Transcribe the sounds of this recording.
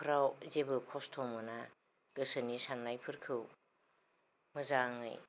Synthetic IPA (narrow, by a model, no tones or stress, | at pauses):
pʰɯɾawzebɯkʰɔstʰɔmɯna | ɡ̥ɯsɯnisanːajpʰɯɾkʰɯw | mɯzaŋɯ̰j